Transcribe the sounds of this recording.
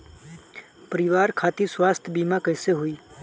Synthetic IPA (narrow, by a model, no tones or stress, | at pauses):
pəɾɪʋaːɾkʰaːt̪iswaːst̪ʰbiːmãkəɪseɦuiː